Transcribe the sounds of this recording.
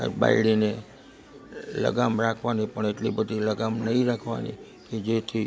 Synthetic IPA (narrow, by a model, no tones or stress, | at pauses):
a̰ba̰iɽine | lə̰ɡamɾakʰʋanipəɳeʈlibəd̪ʱiləɡamnəɦĩɾakʰʋa̰nḭ | ked͡ʒet̪ʰi